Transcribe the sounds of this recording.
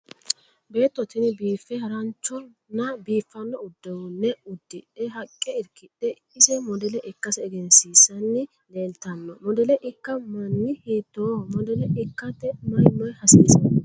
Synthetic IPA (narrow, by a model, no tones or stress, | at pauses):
be̞ːt̪ːɔt̪ɪnɪbiːfːɛhɐɾɐnt͡ʃːɔ | nːɐbiːfːɐnːɔʊd̪ːɛwʊnːɛʊd̪ːɪᶑɛɦɐkʼːɛɪɾkɪᶑɛ | ɪsɛmɔd̪ɛlɛʔɪkːɐsɛːɡɛnsiːsɐnːɪ | leːlt̪ɐnːɔmɔd̪ɛlɛʔɪkːɐmɐnːɪhiːt̪ːoːmɔd̪ɛlɛʔɪkːɐt̪ːɛmɐjnːɔjhɐsiːsɐn